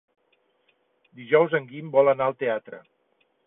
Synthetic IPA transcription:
d̪iʒɔwzəŋɡimbɔlənaəlˠt̪eat̪ɾə̰

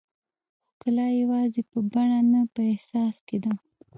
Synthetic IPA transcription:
xkəlɑjawɑzepəbaɳanapəehsɑsked̪a

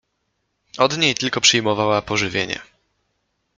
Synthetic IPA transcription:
ɔd̪ɲejt̪ɘlkɔpʂɘjmɔvawapɔʐɘvʲjeɲɛ̰

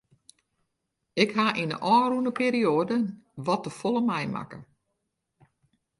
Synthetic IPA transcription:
ɪkhaʔinə̰ʔɔːrunəpiːɾioədəʋɔtəfolˠəmɛjmʔa̰kə̰

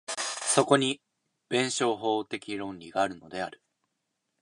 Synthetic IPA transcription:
so̞ko̞ɲ̟i | b̥ẽ̞ɰ̃ɕo̞ːɦo̞ːt̪e̞kʲiɾõ̞nɾʲiɡaːɾɯ̟no̞d̪e̞aɾɯ̟

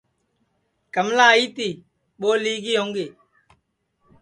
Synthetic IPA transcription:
kəmlaːiːt̪iː | ɓoːliːɡiːɦõːŋɡeː

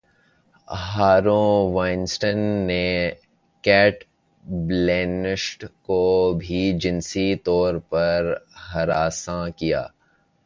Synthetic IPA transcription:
ɦaːɾõːʋaːɪnsʈənːe | kɛːʈ | bleːnɪʃʈkobʱid͡ʒɪnsit̪ɔːɾpɐɾɦɐɾaːsãkija̰ː

